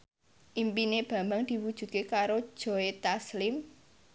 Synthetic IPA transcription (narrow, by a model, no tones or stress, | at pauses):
ʔimpineb̥ä̤mbaŋd̪̥i̤wud̥ʒ̥ṳt̪̚kekaɾo̥ʒ̥ɔ̤et̪aslɪm